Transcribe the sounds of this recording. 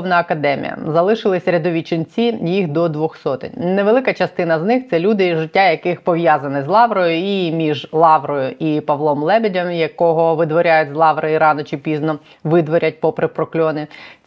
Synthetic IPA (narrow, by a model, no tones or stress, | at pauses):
ʋnɐɐkɐd̪ɛmʲḭjɐ̰zɐlˠɪʃɪlˠɪsʲɾʲɐd̪ɔʋʲit͡ʃɪnʲt͡sʲijixd̪ɔd̪ʋɔxsɔt̪ɪ̰nʲnɛʋelˠɪkɐt͡ʃɐst̪ɪnɐznɪxt̪sɛlʲud̪ɪʒɪtʲːajɐkɪxpɔʋʲjazɐnɪzlˠɑʋɾɔjʊimʲiʒlˠɑʋɾɔjʊʔipɐʋlˠɔmlˠɛbʲedʲɐmjɐkɔɦɔʋɪd̪ʋɔɾʲajʊt̚ʲzlˠɑʋɾɔjiɾɑnɔt͡ʃɪpʲiznɔ | ʋɪd̪ʋɔɾʲɐt̚ʲpɔpɾɪpɾɔklʲɔnɪ